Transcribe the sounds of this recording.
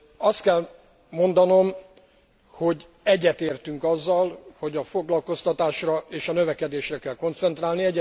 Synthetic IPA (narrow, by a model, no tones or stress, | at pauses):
ɒst̪kɛl | mo̞nd̪ɒno̞m | ho̞ɟ | ɛɟːɛt̪eːrt̪yŋkɒzːɒlho̞ɟɒfo̞ɡlɒlko̞st̪ɒt̪aːʃrɒeːʃɒnø̞vɛkɛd̪eːʃrɛkɛlko̞nt̪sɛnt̪raːlniɛɟːɛ